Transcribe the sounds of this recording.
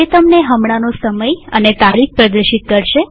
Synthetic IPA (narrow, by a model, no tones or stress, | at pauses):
et̪əmneɦəmɽanosəməjənet̪aɾik̚pɾəd̪əɾʃit̪̚kəɾʃe